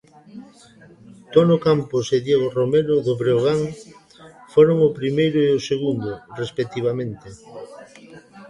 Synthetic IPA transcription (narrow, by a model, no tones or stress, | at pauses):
t̪onokampʊseðjeɣoromeɾʊðʊβɾeoɣ̞aŋ | foɾoŋʊpɾimejɾʊeʊseɣund̪ʊrespek̚t̪iβ̞amẽnt̪e